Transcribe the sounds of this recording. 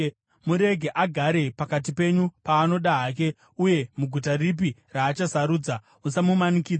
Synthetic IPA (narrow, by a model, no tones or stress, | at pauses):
muɾe̞ɡʱeʔaɡʱaɾe̞pakat̬ipe̞ɲupaːno̞ɗaɦaːk̬e̞ | uje̞muɡʱutarip̬iraːt͡ʃasaɾuːd͡za | usamumanikiːd͡z